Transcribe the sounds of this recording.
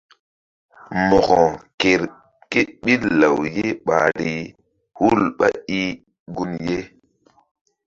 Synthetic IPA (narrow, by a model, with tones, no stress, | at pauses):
mɔ˨ɣɔ˨ke˨ɾ | ke˦t̚ɓi˦lla˨wje˦ɓa̰˨di˨ | hu˦lɓa̰˦i˦ | ɡu˦nje˦